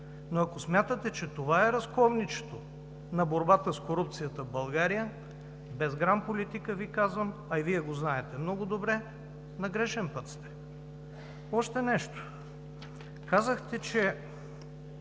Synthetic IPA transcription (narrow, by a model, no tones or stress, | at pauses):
noɐkosmʲjat̪ət̪ɛt͡ʃɛt̪ovaɛɾɐskɔvnit͡ʃɛ̥t̪o | nɐboɾbat̪əskoɾup̚t̪sijət̪əvbɐlˠɡaɾijə | bɛzɡɾampolit̪ikəvikazvəmɐiviɛɡoznaɛt̪ɛmnɔɡʊd̪obɾɛ | nɐɡɾɛʃɛnpɤt̪st̪ɛ̥ | ɔʃt̪ɛnɛʃt̪o̥ | kazəxt̪ɛt͡ʃɛ